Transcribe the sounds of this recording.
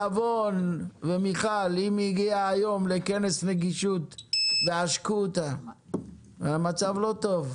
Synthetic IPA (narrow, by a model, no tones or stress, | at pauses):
avonvemiχalimiɡiaːjo̞mle̞kene̞sneɡiʃut̪veaʃkut̪a | veamat͡savlo̞t̪o̞v